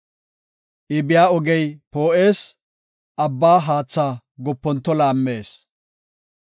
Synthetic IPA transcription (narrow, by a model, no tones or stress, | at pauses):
ʔɪbɪjaːɔɡɛjpo̞ːʔe̞ːs | ʔɐbːaːɦaːt͡sːaː | ɡɔpːɔnt̪ːɔlaːmːe̞ːs